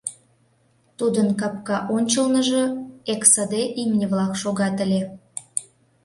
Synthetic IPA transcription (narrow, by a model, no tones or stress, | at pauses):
t̪ud̪ənkɑpkɑʔonʲt͡ɕəlnə̆ʒɤ̆eksəd̪eʔimnʲəβlɑkʃoɣɑt̪əlʲe